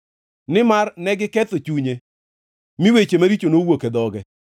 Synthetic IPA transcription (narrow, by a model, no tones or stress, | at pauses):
nɪmarnɛɡɪkɛt̪ot͡ʃuɲe | miwet͡ʃemaɾit͡ʃonowoked̪ɔɡɛ